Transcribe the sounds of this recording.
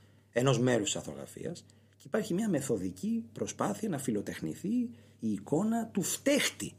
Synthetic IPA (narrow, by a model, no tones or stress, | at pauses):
e̞no̞zme̞ɾust̪sɐθo̞̰ɣɾɐ̰fḭɐ̰s | ceipɐɾçimɲɐme̞θo̞ðicipɾo̞spɐθiɐnɐfilo̞t̪e̞xnḭθi | iːko̞nɐt̪uft̪e̞xt̪i